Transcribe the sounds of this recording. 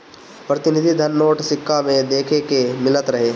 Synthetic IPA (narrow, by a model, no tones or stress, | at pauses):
pɾɐt̪ɪnɪd̪ʱid̪ʱɐnːoːʈsɪkʰːamẽd̪eːkʰekemɪlət̪ɾɐɦeː